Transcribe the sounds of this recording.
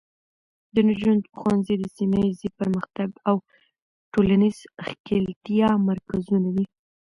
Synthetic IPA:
d̪ənʒand̪xwanzid̪əsimajzipəɾməxt̪aɡaw | ʈolaniz̥xkelt̪ijɑmaɾkazunad̪i

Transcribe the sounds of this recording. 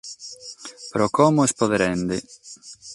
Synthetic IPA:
pɾɔkɔmʊespoðeɾɛnd̪e

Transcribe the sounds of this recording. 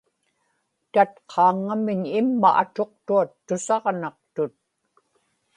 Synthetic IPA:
t̪at̪qʰɑːŋːamɪɲɪmːa̰ʔat̪o̞qt̪uat̪ːʊsɑʁnɑq̚t̪ʊt̪̚

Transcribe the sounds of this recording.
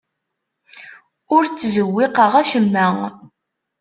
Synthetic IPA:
ʊɾt͡sːzəwːiqəʁæʃəmːæ

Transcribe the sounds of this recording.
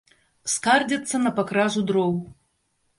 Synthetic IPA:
skard͡zʲɐt̪sːɐnɐpakɾazud̪ɾɔw

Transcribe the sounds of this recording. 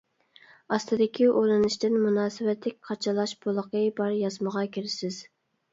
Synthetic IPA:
ɑst̪ɨd̪ɪkʲʰiʔolˠɨnɪʃt̪ɪnmunɑːsɨwɛt̪ʰlɪkʲqʰɑt͡ʃʰɑlˠɑʃbolˠəqʰəbɑɾjɑzməʁɑkʲʰiɾɪsɪz̥

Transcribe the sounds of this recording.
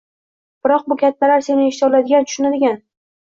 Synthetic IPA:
b̥ɪɾɒq̚bʊkʲʰat̪ːalaɾse̞nɪeʃt̪ɒlad̪ɪɡʲant̪ʰʊ̥ʃʊnad̪ɪɡʲan

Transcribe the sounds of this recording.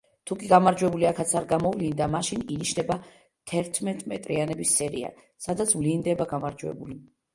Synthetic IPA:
t̪ʰukʼiɡamaɾd͡ʒwɛbuliakʰat̪sʰaɾɡamɔvlind̪amaʃininiʃnɛba | t̪ʰɛɾt̪ʰmɛt̪ʼmɛt̪ʼɾianɛbisːɛɾḭa̰ | sad̪at̪sʰvlind̪ɛbaɡamaɾd͡ʒwɛ̰buli

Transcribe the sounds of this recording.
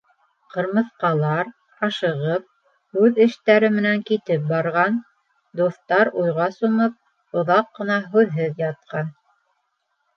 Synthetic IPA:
qɤ̆ɾmɤ̆θqɑlˠɑɾ | ɑʃɤ̆ʁɤp̚ | hʉðɘ̆ʃt̪æɾɘmɘ̆næŋkit̪ɘp̚bɑɾʁɑn | d̪uθt̪ɑɾujʁɑsomɤp̚ | ŏðɑqːɤ̆nɑɦʉðɦɘðjɑt̪̚qɑn

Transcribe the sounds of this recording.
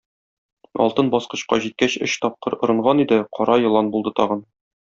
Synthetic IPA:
ɒ̰lˠt̪ɤnbɒsqɤ̆ɕqɑ̰ʑit̪̚kæɕɘ̰̆ɕt̪ɒp̚qɤɾŏɾɤ̆ɴʁɑnid̪ɘqɒɾɑjɤ̆lˠɑnbulˠd̪ɤt̪ɒʁɤn

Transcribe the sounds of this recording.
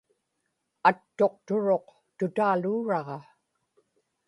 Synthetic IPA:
at̪ːo̞qt̪ʊɻo̞q | t̪ʊt̪aːluːɻɑʁɑ

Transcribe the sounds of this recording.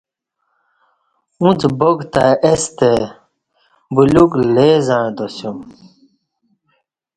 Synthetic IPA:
ũt͡sboɡt̪aest̪e | buluɡleːzaɳ̃d̪osjum

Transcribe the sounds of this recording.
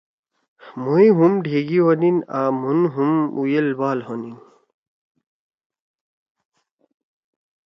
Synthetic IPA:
muiɦumɖʱeːɡiwoninaːmunɦumṵjelbaːlɦonin

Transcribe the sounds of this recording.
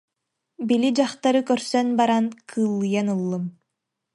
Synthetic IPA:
bilid͡ʑaχt̪aɾɯkœɾsœnbaɾankʰɯːlˠːɯjanɯlˠːɯm

